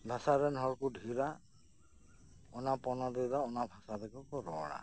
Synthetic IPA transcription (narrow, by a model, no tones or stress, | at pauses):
bʱasaɾɛnɦɔɹkudʱiɾa | ɔnapɔnad̪ɛzaɔnabʱasadɛkɔkɔɾɔ̰ɽa̰